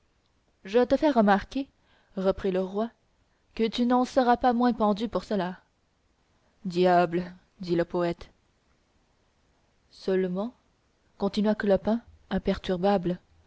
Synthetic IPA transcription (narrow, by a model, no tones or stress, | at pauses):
ʒət̪əfɛʁəmaʁkʲe | ʁəpχiləʁwa | kət̪ynɑ̃səʁapamwɛ̃pɑ̃d̪ypuʁsəla | d̪jabl | d̪iləpɔɛt̪ | sœlmɑ̃ | kɔ̃t̪inɥaklɔpɛ̃ | ɛ̃pɛʁt̪yʁbabl